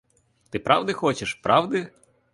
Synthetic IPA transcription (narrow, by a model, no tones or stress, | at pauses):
t̪ɪpɾɑʋd̪ɪxɔt͡ʃɪʃpɾʔɑwd̪ɪ